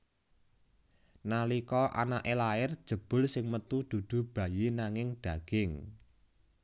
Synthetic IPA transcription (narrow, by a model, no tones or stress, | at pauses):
nalikɔʔa̰naʔelaɪrd̥ʒ̥ə̤b̥ʊ̤lsɪŋmət̪ud̪̥ṳd̪̥ṳb̥ä̤jenaŋɪŋɖ̪̥ä̤ɡ̥ɪŋ